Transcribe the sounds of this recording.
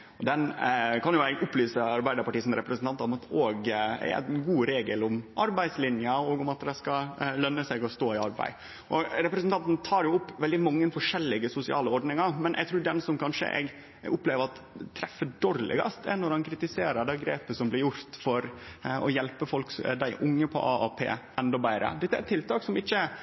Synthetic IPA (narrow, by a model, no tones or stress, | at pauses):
ɔd̪ɛnkʰɑnjʊɛɡʔʊpːlyːsəɑɾbæɪd̪əɾpɑʈiːəsɔmɾɛpɾəsənt̪ʰɑnt̪ɑɾʊmɑt̪ʰoːɡɛ̰æ̰nɡuːɾeːɡəlʊmʔɑɾbæɪd̪slɪnjəɔːɡʊmɑt̪̚d̪ɛskɑlœnːəsɛɡɔst̪oːɪɑɾbæ̰ɪ | ʔɔɾɛpɾɛsənt̪ʰɑnt̪nt̪ʰɑːɾjʊʊpːʋɛld̪ɪmɑŋːənfɔʂɛlːɪɡəsʊsɪɑ̰ːləɔɾɖnɪŋɑɾmɛnʔɛ̰ɡt̪ɾuːɾd̪ɛnsɔmkʰɑnʂə̰ʔɛ̰ɡ | ʊpleːʋəɾɑt̪ | t̪ʰːɾɛfəɖoːɾlɪ̰ɡɑ̰st̪ɛ̰nɔɾhɑnkʰɾɪt̪ɪseːɾəɖ̪ɛːɡɾeːpəsɔmblɪɾjʊɾt̪fɔɾɔjɛlpəfɔlkd̪æɪʔʊŋːəpʰɔ̰ʔɑɑpʰḛːʔɛnd̪ɔbæɪɾə̰d̪ɛt̪ːəæɾɛt̪ʰːɪlt̪ʰɑːksɔmɪçːə